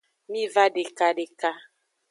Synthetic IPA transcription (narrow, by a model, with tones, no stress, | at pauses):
mĩ˦va˦ɖe˨ka˨ɖe˨ka˦